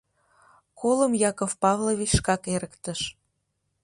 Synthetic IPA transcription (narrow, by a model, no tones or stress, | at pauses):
koləmjɑkofpɑvloβit͡ɕʃkɑkeɾəkt̪əʃ